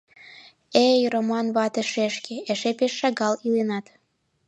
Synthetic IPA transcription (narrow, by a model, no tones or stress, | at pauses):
ejromɑnβɑt̪eʃeʃkeeʃepeʃːɑɣɑlilenɑt̪